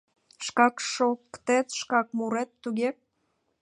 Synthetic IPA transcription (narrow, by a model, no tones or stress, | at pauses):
ʃkɑkʃokːt̪et̪ʃkɑk̚muɾet̪ːuɣe